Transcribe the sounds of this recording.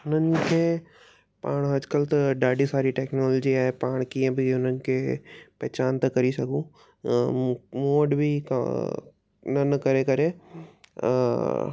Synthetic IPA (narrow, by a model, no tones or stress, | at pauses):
nɐnkẽ | pa̰ːɽ̃ɐd͡ʒkɐlt̪ɐɖaːɖisaːɾiʈeːknoːloːd͡ʒiaːepaːɽ̃kiẽbʱiʊnənkepɛːt͡ʃaːnt̪ɐkɐɾisɐkũː | moːɖbʱik | nɐnkɐɾẽkɐɾẽː